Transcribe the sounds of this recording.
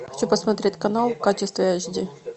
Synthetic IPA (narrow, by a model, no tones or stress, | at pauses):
xɐt͡ɕupəsmɐt̪ɾʲet̚ʲkɐnalˠkat͡ɕɪst̪vʲɪjaʑʲdʲi